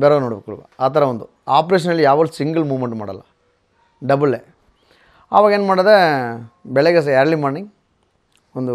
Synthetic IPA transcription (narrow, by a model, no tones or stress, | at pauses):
beːɾɐnoːɽɐbekːuɭʋa̰aːt̪ʰɐɾɐʋɐnd̪u | aːpɐɾeːʂ̬ɐnɐlːijaːʋɐd̪usiŋɡɐlmuːʋmeɳʈma̰ːɽɐ̰lːɐ̰ | ɖɐbɐlːeː | ɐ̰ʋaːɡɐeːnmaːɽɐðe | bɛɭeɡɐs̬ɐjaːɾlimaːɳiŋ | ond̪u